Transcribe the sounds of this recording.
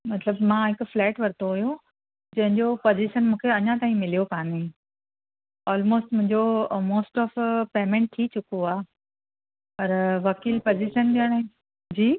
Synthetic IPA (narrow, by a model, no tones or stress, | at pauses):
mɐt̪ləbmãɦɪkʊflɛːʈʋɐɾt̪oɦuju | d͡ʑɐ̃ɦɪ̃ɲd͡ʑopoːziʃənmũːkʰeɐɲãt̪aːɦĩmɪlijokaːnĩ | ɔːlmoːsʈmʊ̃ɦɪ̃ɲd͡ʑomoːsʈɔːfpeːmẽːɳʈ̚t̪ʰit͡ɕʊkoaː | pɐɾʋɐkiːlpoːziʃənɗiəɽ̃ | d͡ʑiː